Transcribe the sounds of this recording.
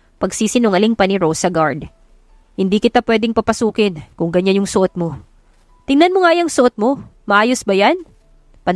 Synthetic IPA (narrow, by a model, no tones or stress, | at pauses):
pɐɡsiːsɪnoŋɐlɪŋpɐnɪɾowsɐɡaɹd̪ | hɪnd̪iːkɪt̪apwɛːd̪ɛŋpɐpɐsuːkɪnkʊŋɡɐɲːanjʊŋsʊʔot̪̚mo | t̪ɪŋnɐnmoŋajɐŋsʊʔot̪̚mo̞mɐʔaːjosbɐjan | pɐ